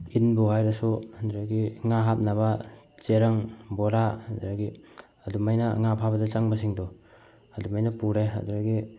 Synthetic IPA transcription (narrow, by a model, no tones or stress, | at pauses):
inbuhajɾasunduɾaɡiŋaɦat̚naβat͡ʃeɾaŋbɔɾadɾaɡi | ɐdumajnɐ̰ŋapʰabɐdɐt͡ʃaŋbasiŋdɔ | adumajnɐpuɾea̰duɾaɡi